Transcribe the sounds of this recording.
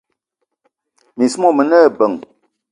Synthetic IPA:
mi˨smɔ˦˨mə˨nə˦˨bə˨ŋ

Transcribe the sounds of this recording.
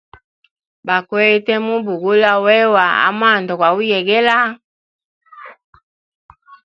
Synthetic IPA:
ba˨kwɛ˦tɛ˦mu˦bu˨ɡu˦la˦wɛ˦wa˨a̰˦m˦a˦˨ndɔ˨kwa˨u˦jɛ˨ɡɛ˦la˦

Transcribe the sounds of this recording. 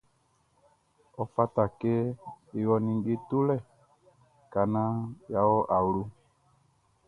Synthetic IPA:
ɔ˨fa˦ta˨ke˦i˨ɣɔ˨nĩ˨ŋ˦ɡe˦tu˦lɛ˦˨ | ka˨nã˦ja˨˦wɔ˦ʔa˨wlu˦

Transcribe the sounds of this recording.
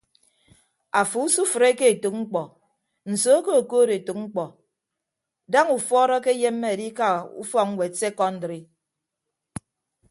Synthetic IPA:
a˨fu˨u˦su˦fɨ˨ɾe˦ke˦e˨tu˨k̚ŋ͡m̩˦k͡pɔ˨ | n̩˨so˨˦ko˦o˨koː˦ɾe˨to˨k̚ŋ͡m̩˦k͡pɔ˨ | da˦ŋu˨fɔː˦ɾɔ˦ke˦je˦mːe˦e˨di˦ka˦ṵ˦fɔ˦k̚ŋ̩˦we˨se˦kɔ˦n̩˦dɾi˦

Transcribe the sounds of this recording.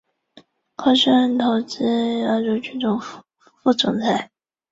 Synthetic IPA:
kʰɑ˥ʂə˥nt̪ʰo˧˥ʊt͡sɹ̩˥˩ə˧˥ʈ͡ʂo˧˥ʊt͡ɕʰy˥nt͡sʊ˧˩ŋ | fu˥˩t͡sʊ̰˨˩ŋt͡sʰa˧˥ɪ

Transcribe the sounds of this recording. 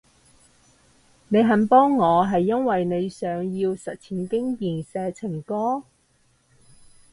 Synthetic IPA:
ne˨˧jɦɐ˨˥npɔː˥ŋːɔː˨˧ɦɐ˨jːɐ˥nwɐ˨jne˨˧jsœː˨˧ŋjiː˧wsɐ˨t̚t͡sʰiː˨˩nkɪ˥ŋjiː˨nsɛː˧t͡sʰɪ˨˩ŋkɔː˥

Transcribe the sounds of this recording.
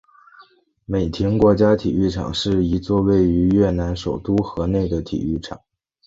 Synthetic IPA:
me˨˩ɪt̪ʰji˧˥ŋkwɔ˧˥t͡ɕja˥t̪ʰḭ˨˩y˥˩ʈ͡ʂʰɑ̰˨˩ŋʂɻ̩˥˩i˧˥t͡swɔ˥˧we˥˩ɪy˧˥ɥɛ˥˩na˧˥nʂo˨˩ʊt̪u˥xɤ˧˥ne˥˩ɪd̪ə˩t̪ʰḭ˨˩y˥˩ʈ͡ʂʰɑ̰˨˩˦ŋ

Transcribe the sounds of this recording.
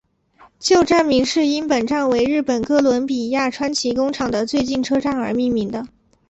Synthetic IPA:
t͡ɕjo˥˧ʊʈ͡ʂa˥˩nmi˧˥ŋʂɻ̩˥˩i˥npə˨˩nʈ͡ʂa˥˩nwe˧˥ɪɻɻ̩˥˩pə˨˩nkɤ˥lwə˧˥npi˨˩ja˥˩ʈ͡ʂʰwa˥nt͡ɕʰi˧˥kʊ˥ŋʈ͡ʂʰɑ˨˩ŋd̪ə˦t͡swe˥˧ɪt͡ɕi˥˩nʈ͡ʂʰɤ˥ʈ͡ʂa˥˩nə˞˧˥mi˥˩nmi˧˥ŋd̪ə˧

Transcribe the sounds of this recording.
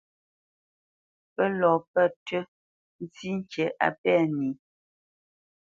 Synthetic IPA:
pə˦lɔ˨pə˦˨tɥə˦ | n̩˦t͡si˦ŋ̩˦t͡ʃə˨ʔa̰˨pɛ˦˨ni˨˦

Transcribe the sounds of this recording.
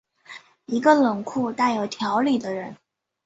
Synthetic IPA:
i˧˥ɡə˧lɤ˨˩ŋkʰu˥˧t̪a˥˩ɪjo˨˩ʊt̪ʰjɑ˧˥ʊli˨˩d̪ə˦ɻə˧˥n

